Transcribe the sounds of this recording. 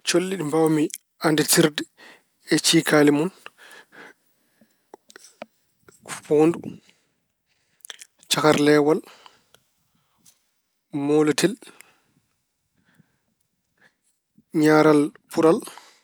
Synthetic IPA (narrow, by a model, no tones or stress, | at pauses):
t͡ʃolːiɗimbawmi | andɛtiɾdɛ | ɛt͡ʃiːkʰaːlimun | kpoːndu | t͡ʃakaɾlɛːwal | moːlatɛl | ɲaːɾalpuɾal